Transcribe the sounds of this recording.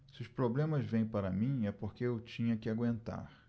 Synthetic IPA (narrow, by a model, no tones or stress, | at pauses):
sɪʊʃpɾoblẽmɐzvẽj̃paɾɐmĩɛpoɾkeewt͡ʃĩɲɐkɪaɡwẽnt̪a̰ɾ